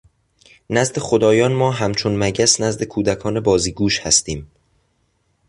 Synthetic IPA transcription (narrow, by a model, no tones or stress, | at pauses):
næzd̪e̞xod̪ɒːjɒːnmɒːɦæmt͡ʃʰonmæɟæsnæzd̪e̞kʰuːd̪ækʰɒːne̞bɒːziːɡuːʃhæst̪iːm